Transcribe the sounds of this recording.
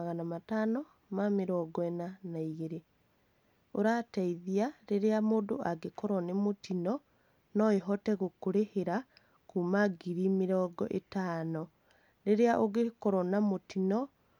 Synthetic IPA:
aɣanamatanɔ | mameɾɔɡɔɛnanaiɣeɾe | oɾataiðiaɾeɾeamoːndoaɡekɔɾɔnemotinɔ | nɔeɦɔtɛɣokoɾeheɾa | kumaɡiɾimeɾɔːɡɔ̰ʔetanɔ | ɾeɾeaʔoɣekɔɾɔnamotinɔ

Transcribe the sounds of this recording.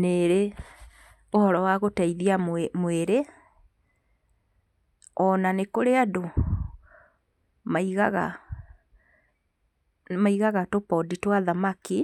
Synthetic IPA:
neɾe | ohɔɾɔwaɣotaiðiammweɾe | ɔnanekoɾeado | maiɣaɣa | maiɣaɣatopɔditwaðamaki

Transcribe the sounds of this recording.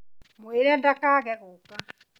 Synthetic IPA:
mweɾɛndakaɣɛɣuka

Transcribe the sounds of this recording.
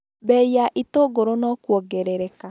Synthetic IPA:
bɛiaʔitoɡoɾonɔkwɔɡɛɾɛɾɛka

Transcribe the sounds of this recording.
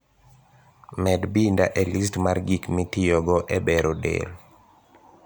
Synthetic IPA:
mɛdbindaʔɛlis̬tmarɡikmitijɔɡɔʔɛbɛɾodḛl

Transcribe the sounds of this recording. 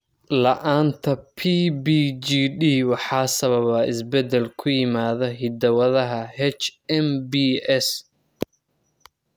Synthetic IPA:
lɐʔaːnt̪ʰɐpʰiːbiːd͡ʒiːɖiːwɑħɑːsɐβɐβɐɪsbɛd̪ɛlkʰʊjɪmaːðɐɦɪd̪ɐwɐðɐɦɐhɛt͡ʃɛmbiɛs

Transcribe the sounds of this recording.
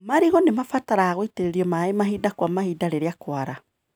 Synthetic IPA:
maɾiɣɔnemafataɾaːɣoiteɾeɾiɔmaemaɦidakwamahidaɾeɾeakwaɾa

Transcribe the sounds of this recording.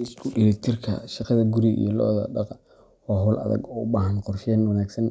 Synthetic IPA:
ɪskʰʊɗɪlɛt̪ʰɪrkʰɐ̰ʃɑqɑðɐɡʊɾiḭjɔlɔ̰ʔðɐ̰ɖɑq | ɔːɦʊːlʔɐ̰ðɐ̰ɡɔːʊbaːɦɐnqʊrʃɛːnwɑnaːɡsɐn

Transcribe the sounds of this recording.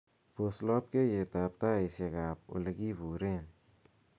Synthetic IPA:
poslɔp̚kejetap̚taeseɡap̚ṵleɡibuɾen

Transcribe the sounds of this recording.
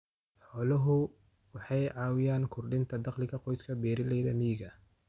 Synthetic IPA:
ħɔːlɐɦʊ | wɑħɑjʕɑːwɪjaːnkʰʊrɖɪnt̪ʰɐd̪ɑqlɪkʰɐqɔjskʰɐbɛːɾɪlɛjðɐmiɪɡɐ

